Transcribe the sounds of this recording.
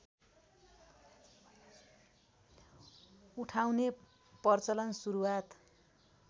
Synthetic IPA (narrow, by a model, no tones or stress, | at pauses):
uʈʰawne | pʌrt͡sʌlʌnsuɾuwat̪